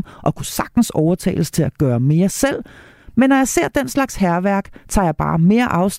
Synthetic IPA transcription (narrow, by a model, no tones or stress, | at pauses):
ʔɒ̽kʰusɑ̈ɡ̥̚d̥n̩sɒʊɐt͡sʰɛ̰ːɪləst͡sʰe̝læɡ̥ɶːɐme̝ːɐsel̰ | menːɒjɑ̈ɪse̝ɐ̰d̥en̰slɑ̈ɡ̥shæɐʋæɐ̰ɡ̥t͡sʰɑ̰̈ːjɑ̈b̥ɑ̰̈ːme̝ːɐʔɑ̈ʊs